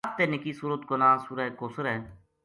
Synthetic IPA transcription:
t̪enɪkiːsuːɾət̪konãːsuɾaekoːsəɾɛː

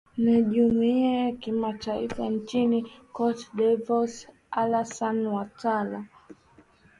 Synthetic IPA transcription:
niʄumiakimataifant͡ʃinikɔtdɛvɔs | alasanwatala

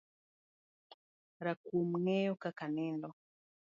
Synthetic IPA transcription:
ɾakum̩ŋɛjɔkakanɛndɔ

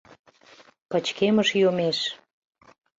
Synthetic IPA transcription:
pə̆t͡ɕkeməʃjomeʃ

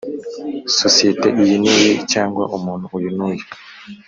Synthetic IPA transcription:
sosieteʔijinijecaːŋɡwa̰ʔumuːn̤uujunuːje

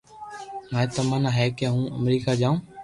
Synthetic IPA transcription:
maːet̪əmənaɦeːkeɦũːʔəmɾiːkaːd͡ʒaːũː

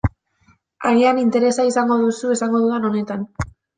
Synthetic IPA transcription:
aɾianint̪e̞ɾe̞saisaŋɡo̞ðusue̞saŋɡo̞ðuðeno̞ne̞t̪an

